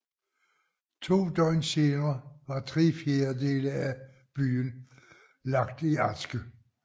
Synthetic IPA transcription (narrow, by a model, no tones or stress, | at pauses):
t͡sʰo̝̰ːd̥ɒɪnse̝ːnɐːʋɑ̈t͡sʰʁifjeɐde̝ːləæ | b̥y̰ːn | lɑ̈ɡ̥d̥iɑdsɡ̥ə